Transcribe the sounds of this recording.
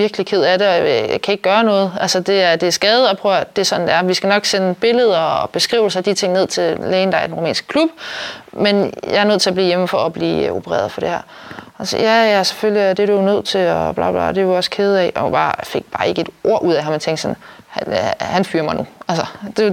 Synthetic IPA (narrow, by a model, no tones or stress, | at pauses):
ʋiɐɡ̥likʰe̝ð̞̰ˠæɾeɒja̰kʰæe̝ɡ̥̚ɡ̥ɶːɐnɔ̽ːð̞̩ˠʔælsɐd̥e̝æɐd̥e̝æsɡ̥ɛːð̞̩ˠɒpʰʁœʊd̥e̝sɒ̽d̥n̩d̥eæɐmʋisɡ̥ænɒ̽ɡ̥senəb̥e̝ləð̞̩ˠɐb̥e̝sɡ̥ʁḭːʊsɑd̥it͡sʰe̝ŋ̰ne̝ð̞̰ˠt͡sʰe̝leːnd̥ɑ̈ɪɐd̥enʁomɛ̰ːnsɡ̥əkʰlub̥menjɑ̈ɪɐnøð̰ˠt͡sʰe̝lɒbliːjeməfɒɒb̥lḭːo̝pʰəʁɛ̰ːɐðˠfɒ̽d̥e̝hæɐ | sjæjæse̥føljiæd̥e̝ɾ̥unøð̞̰ˠt͡sʰe̝ɒb̥lɑ̈ːb̥lɑ̰̈d̥e̥uɒ̽skʰeːð̞̩ˠɛ̰ɒb̥ɑ̈ːfe̝ɡ̥̚b̥ɑ̈ːe̝ɡ̥əe̝d̥ʔo̝ɐ̰ʔuð̰ˠæɦɑment͡sʰeŋ̰ɡd̥sɒn | hænfyːɐmɑ̈ɪnuælsəd̥e̝